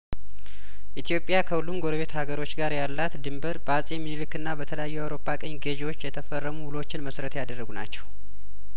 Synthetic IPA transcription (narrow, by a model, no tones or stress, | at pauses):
ʔit̪ʰijo̞pʼːjakʰəhulːumɡo̞ɾəβe̞t̪haɡəɾo̞t͡ʃːɡaɾjalːat̪d̪ɨmbəɾbəasʼjɛmːinɨlɨkːɨnːabət̪ʰələjajːujawɾo̞pʰːakʼəɲːɡəʒewo̞t͡ʃːjɛt̪ʰəfərːəmuwulo̞t͡ʃːɪnməsɾət̪jad̪ərːəɡuna̰t͡ʃːɛ̥w